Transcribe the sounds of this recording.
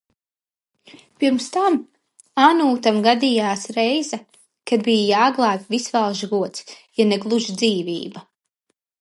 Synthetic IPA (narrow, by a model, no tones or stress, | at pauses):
piɾmst̪am | anuːt̪amɡad̪ijaːsɾɛjza | kad̪bijjaːɡlˠaːpʲvisvalˠʒɡuɔt̪sjanɛɡlˠuʒd̪ziːviːba